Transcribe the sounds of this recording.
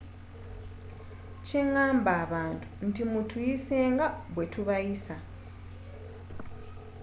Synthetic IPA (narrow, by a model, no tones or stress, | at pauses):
ce̞ŋaːmbaːβaːntʰu̥n̩timutujise̞ːŋɡaβwe̞tʰuβajisa